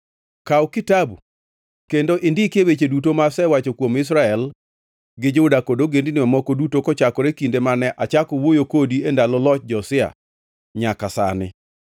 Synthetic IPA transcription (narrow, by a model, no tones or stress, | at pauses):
kawkɪtabu | kendoʔɪndɪkɪewet͡ʃedutomasɛwat͡ʃokwomɪs̬ɾaɛl | ɡɪd͡ʒoudakodoɡendɪnɪmamɔkɔdutokɔt͡ʃakɔɾekindemanɛʔat͡ʃakɔwojokodiendalɔlɔt͡ʃ̚d͡ʒɔsɪa̰ | ɲakasa̰nɪ̰